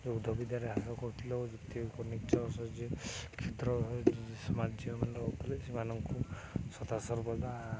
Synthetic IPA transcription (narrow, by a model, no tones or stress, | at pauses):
d͡ʒeud̪ʱɔbid̪jaɾeɦasɔkɔɾʈʰilɔd͡ʒit̪ikɔnikt͡ʃɔsɔd͡ʒekʰet̪ɾɔd͡ʒisɔmad͡ʒd͡ʒiɔmanɾɔut̪ʰɔlesimanɔŋku | sɔt̪asɔɾbɔd̪a